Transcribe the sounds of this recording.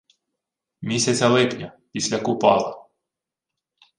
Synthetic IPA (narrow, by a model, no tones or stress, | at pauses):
mʲisʲat͡sʲɐlˠɛpnʲapʲisʲlʲakʊpɑlˠɐ